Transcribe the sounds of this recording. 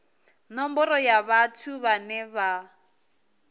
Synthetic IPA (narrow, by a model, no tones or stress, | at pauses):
nɔmbɔɾɔjaβatʰuβanɛβa